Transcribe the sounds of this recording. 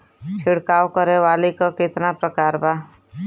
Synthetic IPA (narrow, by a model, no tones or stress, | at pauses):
t͡ʃʰɪɽkaːwkəɾeʋaːlikokɪt̪napɾəkaːɾbaː